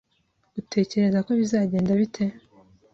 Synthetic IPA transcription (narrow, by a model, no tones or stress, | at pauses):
utʰe̞ːce̞ɾe̞zako̞βizaːɟe̞ːndaβitʰe̞